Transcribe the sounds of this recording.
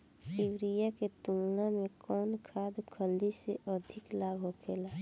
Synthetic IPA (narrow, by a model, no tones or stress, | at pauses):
tiwɾijaket̪ulnãmẽkɔːnkʰaːd̪kʰəld̪iseʔɔd̪ʱɪklaːbɦokʰeːlaː